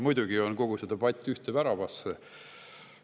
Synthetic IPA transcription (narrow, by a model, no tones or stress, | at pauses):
mujd̪uɡ̥ionko̞ɡ̥used̪ɑb̥ɑt̪ʲːˑyht̪evæɾɑvɑs